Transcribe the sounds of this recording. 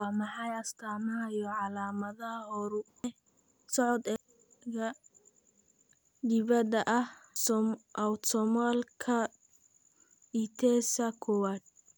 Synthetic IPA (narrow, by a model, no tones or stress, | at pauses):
wɑːmɑħɑjɐst̪ʰaːmɐɐjɔʕɑlaːmɐðɐhɐhɔɾʊ | ɛ | sɔʕɔd̪ | ɡɐ | d̪ɪβɐd̪ɐʔɐhsʔɐwt̪ʰɔmalkʰɐ | it̪ʰɛsɐkʰɔwaːd̪̚